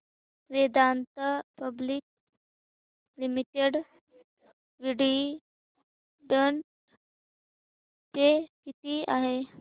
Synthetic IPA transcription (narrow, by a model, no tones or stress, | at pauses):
ʋed̪ant̪əpəbliːk̚ | limiʈeɽ | ʋiɽi | ɖəɳʈ | t̪ekit̪iːaɦe